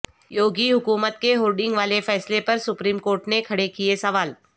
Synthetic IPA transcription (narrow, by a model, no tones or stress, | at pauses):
joːɡiɦʊkuːmət̪keɦoːlɖɪ̃ŋɡʋaːlefɛːslepɐɾsʊpɾiːmkoːɾʈnekʰɐɽekiesɐʋaːl